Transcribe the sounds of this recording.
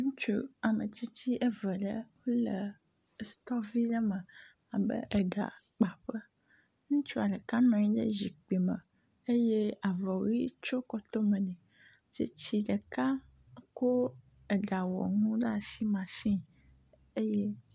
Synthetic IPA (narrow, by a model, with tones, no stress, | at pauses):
ŋũ˦t͡ʃo˦a˨mə̃˨t͡ɕi˦t͡ɕi˦ʔɛ˦və˨ɖə̰˦wo˦lə˨ | st̪ɔ˦vi˦ɖɛ˦mə̃˨ | a˨bə̰˦ʔɛ˨ɖa̰˨k͡pa˨ɸə˦ | ŋũ˦t͡ʃu˦a˨ɖɛ˨ka˦nɔ̃˨ɲĩ˦ɖə̰˦zi˨k͡pi˨mə̃˨ | e˦je˦a˨vɔ˨wo˦i˦t͡ʃo˦kɔ˦t̪o˦mə̃˨nɛ̃˨ | t͡ʃḭ˦t͡ɕi˦ɖə˨ka˦ | ko˦ | ɛ˨ɖa˨wɔ̰˨ŋũ˦ɖa˦ʃi˦mã˨ʃĩ˦ | e˦je˦